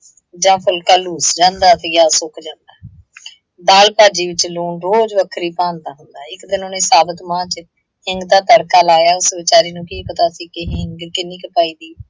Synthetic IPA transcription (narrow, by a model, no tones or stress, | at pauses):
d͡ʒãːpʰʊlkaːluːsd͡ʒãːnd̪aːt̪eːɡaːsʊkd͡ʒãːnd̪aː | d̪aːlpaːd͡ʒiːʋɪt͡ʃluːɳɾoːd͡ʒʋəkʰɾiːpãːnd̪aːɦʊnd̪aːɪkd̪ɪnoːnẽːsaːbət̪mãːt͡ʃ | hɪŋɡd̪aːt̪əɽkaːlaːjaːʊsʋɪt͡ʃaːɾiːnũːkʰiːpət̪aːsiːkɪɦɪŋɡkɪnːĩːkəpaːiːd̪iː